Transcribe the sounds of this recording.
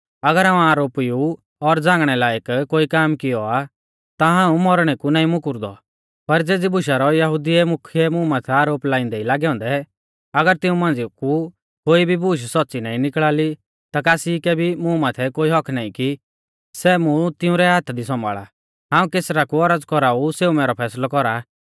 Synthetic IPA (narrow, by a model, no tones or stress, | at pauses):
ɐɡəɾɦãːũaːɾoːpiju | ɔɾd͡zãːŋɡɽ̃ɛlaːekkoːikaːmkɪjɔa | t̪aɦãːũmɔɾɽ̃ɛkunaːĩmʊ̃kʊɾd̪ɔ̰ | pɐɾd͡zeːd͡zibʊʃaɾɔjɐɦud̪iɛmʊkʰːjɛmũmãːt̪ʰɛaːɾoːplaːĩnd̪ɛilaːɡɛɔ̃ːnd̪ɛ | ɐɡəɾt̪ɪũmãːnd͡ziku | koːibʱibuʃ̬sɔt̪ːsinaːĩnɪkɭaːli | t̪akaːsikɛbʱimũmaːt̪ʰɛkoːiɦɔkʰnaːĩki | sɛmũt̪ɪũɾɛɦaːt̪ʰd̪isɔ̃ma̰ːɭa̰ | ɦãːũkeːsɾakuɔɾəd͡zkɔɾauseːumɛːɾɔpʰɛːslɔkɔɾa